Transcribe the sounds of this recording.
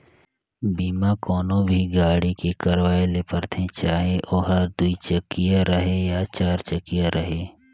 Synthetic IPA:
biːmakɔːnõbʱiɡaːɽikekəɾwaːelepəɾt̪ʰẽt͡ʃaːɦeʔoːɦəd̪uit͡ʃəkːijaɾəɦejat͡ʃaːɾt͡ʃəkijaɾʔəɦeː

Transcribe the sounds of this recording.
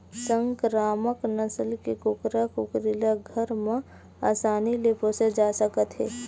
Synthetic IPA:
sə̃ŋkɾaːməknəsəlkekʊkɾakʊkɾilaɡʱəɾmẽ | aːsaːnilepʰosəd͡ʒaːsəkət̪ɦɛː

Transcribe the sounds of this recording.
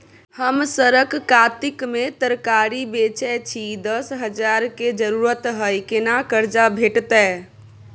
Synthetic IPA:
həmsəɾəkkat̪ikmet̪əɾkaɾibet͡ʃɛt͡ʃʰid̪əsɦəd͡ʒaɾked͡ʒəɾuɾət̪ɦəjkenakəɾd͡ʒabʱeʈt̪ɛ

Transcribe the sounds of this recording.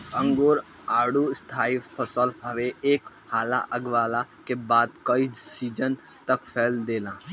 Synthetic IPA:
ə̃ŋɡoːɾ | aːɽust̪ʰaːipʰəsəlɦɐʋeeːk | haːla̰ʔɐɡʋaːlakebaːd̪̚kəisiːd͡ʒən | t̪ɐkpʰɛːld̪eːlãː

